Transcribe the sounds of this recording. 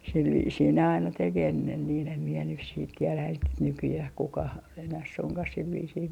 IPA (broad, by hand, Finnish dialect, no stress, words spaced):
sil ʋiːsiː ne ɑinɑ tek enːen niːn em mie nys siːt tielæ et nykyjæh kukɑh enæh suŋkɑh sil ʋiːsiː